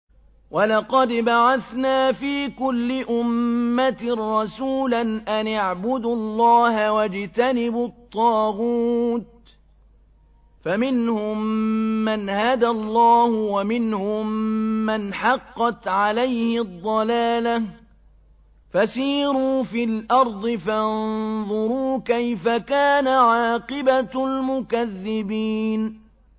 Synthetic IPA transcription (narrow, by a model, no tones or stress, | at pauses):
walɑqɑd̪baʕaθnaːfiːkʊlːɪʔʊmːat̪rˤːɑsuːlanʔanaʕbʊd̪lˤːɑːhawad͡ʒt̪anɪbʊt̪ˤːɑːɣuːt̪̚ | famɪnhʊmːanhad̪alˤːɑːhʊwamɪnhʊmːanħɑqːɑt̪ʕalajhɪd̪ˤːɑlaːla | fasiːɾuːfilʔɑɾˤd̪ˤɨfanðˤʊɾuːkajfakaːnaʕɑːqɪbalmʊkaðːɪbiːn